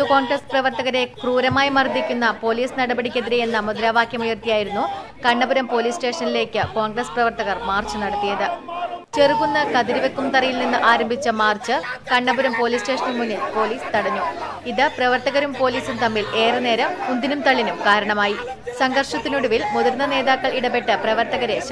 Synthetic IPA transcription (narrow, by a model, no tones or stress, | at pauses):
t̪ːuko̞ːnɡrɐsprɐʋɐrt̪ɐɣɐɾe̞kruːɾɐmaːjimɐrd̪ikʲːunːɐpo̞ːliːsnɐɽɐbɐɽikʲːɐðiɾejenːɐmud̪ɾaːʋaːkjɐmujirt̪ijaːjiɾunːukɐɳːɐbuɾɐmpo̞ːliːsʈe̞ːʂɐnile̞ːkʲːɨko̞ːŋɡrɐsprɐʋɐrt̪ɐɣɐrmaːrt͡ɕɨnɐɽɐt̪ːijɐðɨt͡ɕerkunːɐkɐðiɾiʋekːumt̪ɐrɐjilninːɨʔaːɾɐmbʱit͡ɕːɐmaːrt͡ɕːɨkɐɳːɐbuɾɐmpo̞ːliːsʈe̞ːʂɐnilmunːilpo̞ːliːst̪ɐɽɐɲːu | iðɨprɐʋɐrt̪ɐɣɐɾumpo̞ːliːsunt̪ɐmːile̞ːrɨne̞ːɾɐmund̪inumt̪ɐɭːinumkaːɾɐɳɐmaːji | sɐŋɡɐrʂɐt̪ːinuɽuʋilmuðɐɾnɐne̞ːðaːkːɐɭiɽɐpe̞ʈːɨprɐʋɐrt̪ɐɣɐɾe̞ɕ